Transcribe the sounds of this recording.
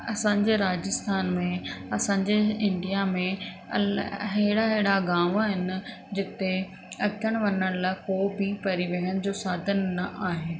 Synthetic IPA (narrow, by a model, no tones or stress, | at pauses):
ɐsãːɲd͡ʑeɾaːd͡ʑɪst̪ʰaːnmẽɐsãɲd͡ʑeɪ̃ɳɖijamẽ | ɐɦeɦɪɽaɦɪɦɪɽaɡãːʋaːɦɪnɪ̆ | d͡ʑɪt̪e | ɐtʰəɽ̃ʋɐnəɽ̃laːkoːbipɐɾiʋeɦənɪ̆d͡ʑoːsaːd̪ʱənːɐʔaːɦeː